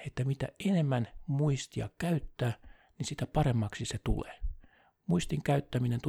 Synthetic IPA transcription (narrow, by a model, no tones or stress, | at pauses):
et̪ːæmit̪æ̰enemːænmuist̪iɑ̰kkæyt̪ːæː | nisit̪æpɑremːɑksiset̪ṵlḛː | muist̪iŋkæyt̪ːæminent̪u